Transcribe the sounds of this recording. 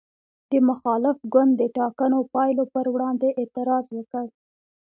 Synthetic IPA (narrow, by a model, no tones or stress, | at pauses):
d̪əmʊxɑlɪfɡʊnd̪d̪ːəʈɑkanopɑjlopəɾwɽɑnd̪eʔːt̪ɪɾɑzwəkəɽ